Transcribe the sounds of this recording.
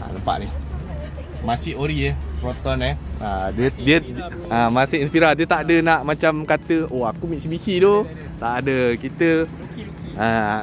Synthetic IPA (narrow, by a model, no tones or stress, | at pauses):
a̰ləmpa̰ʔni | masioɾiepɾot̪ɔnɛadiədiə | amasɪinspiɾadiət̪aʔdənaʔmat͡ʃamkat̪əoakumiʔsibikido | t̪aʔadəkit̪ə | a